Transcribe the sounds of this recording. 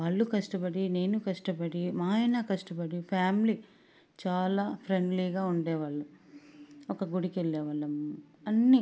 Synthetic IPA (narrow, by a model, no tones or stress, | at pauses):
ʋaːɭːukɐʂʈɐpɐɽine̞ːnukɐʂʈɐpɐɽimaːɐjnakɐʂʈɐpɐɽipʰaːmli | t͡ʃaːlaːpʰɾeɳɖliːɡaːuɳɖɛːʋaːɭːɐ | ɔkɐɡuɽikeɭːɛːʋɐɭːɐm | ɐnːi